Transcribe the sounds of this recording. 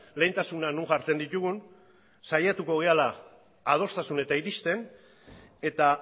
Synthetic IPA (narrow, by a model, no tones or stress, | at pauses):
le̞ːnt̪asunanuŋʝaɾt͡se̞nd̪it̪uɣun | sajat̪uko̞ɣe̞alaː | ð̞o̞st̪asune̞t̪aiɾist̪e̞n | e̞t̪a